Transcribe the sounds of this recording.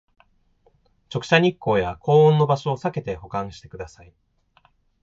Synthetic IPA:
t͡ɕo̞kɯ̟̥ɕaɲ̟ikːo̞ːjako̞ːõnːo̞baɕo̞ːsake̞t̪e̞ho̞kãɰ̃ɕi̥t̪e̞kɯ̟d̪asai

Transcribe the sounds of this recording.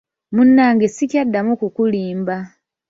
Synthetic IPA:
munːaːŋɡesikjadːamukukuliːmba

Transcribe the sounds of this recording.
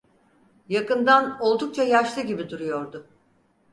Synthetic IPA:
jakɯnd̪ano̞lˠd̪uk̚t͡ʃʰajaʃlˠɯɟibid̪uɾujo̞ɾd̪ʊ

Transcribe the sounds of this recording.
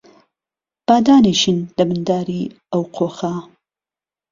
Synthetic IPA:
b̥aːd̪aːniʃind̪ɐbɨnd̪aːɾiː | ɐwqʰoːxɐ

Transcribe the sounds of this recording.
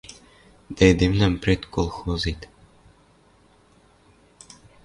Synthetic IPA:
d̪̥ejd̪emlæmprʲet̪kolˠxozit̪

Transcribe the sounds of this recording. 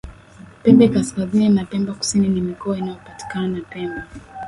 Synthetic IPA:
pɛmbɛkaskazininapɛmbaku̥sininimikɔainajɔpati̥kananapɛmba

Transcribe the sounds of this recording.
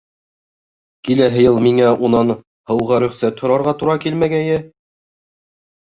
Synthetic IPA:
kilæɦɘ̆jɤlˠmiŋæʔunɑn | hɤ̆wʁɑɾɵ̆χsæt̪hŏɾɑɾʁɑt̪uɾɑkilmæɡæjɘ

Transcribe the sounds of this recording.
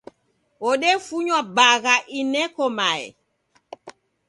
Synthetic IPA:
ɔɗɛfuɲwabaɣaʔinɛkɔmaɛ̰

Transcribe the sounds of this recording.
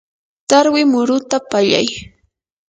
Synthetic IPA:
t̪aɾwɪmʊɾʊt̪apaʎa̰j

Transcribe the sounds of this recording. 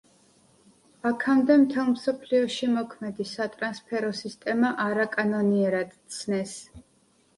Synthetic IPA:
akʰamd̪ɛmt̪ʰɛlˠmsɔpʰliɔʃimɔkʰmɛd̪isat̪ʼɾanspʰɛɾɔsist̪ʼɛmaʔaɾakʼanɔniɛɾad̪̥t̪sʰnɛs

